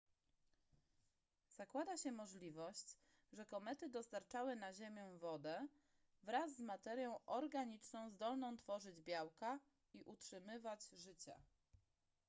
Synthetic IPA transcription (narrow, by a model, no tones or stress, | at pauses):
z̥akwad̪aɕɛmɔʐlʲivɔɕt͡ɕ | ʐɛkɔmɛt̪ɘd̪ɔst̪aɾt͡ʂawɘnaʑemʲjɛ̃vɔd̪ɛ | vɾazːmat̪ɛɾʲjɔ̃w̃ʔɔɾɡaɲit͡ʂnɔ̃w̃zd̪ɔlnɔ̃w̃t̪fɔʐɘd͡ʑbʲjawka | iʔutʂɘmɘvad͡ʑʐɘt͡ɕa̰